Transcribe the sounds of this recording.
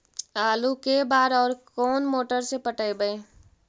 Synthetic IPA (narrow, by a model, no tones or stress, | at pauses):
aːlukebaːɾɔːɾkɔːnmoːʈəɾsepəʈəebəe